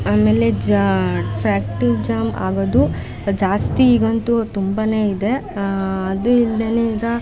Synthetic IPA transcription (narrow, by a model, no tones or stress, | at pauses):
aːmeːled͡ʒ | fʰɾaːk̚ʈud͡ʒaːma̰ːɡoːd̪u | d͡ʒaːst̪iːɡont̪ut̪umbɐne̞ːid̪e̞ | ɐd̪uild̪eːneiːɡɐ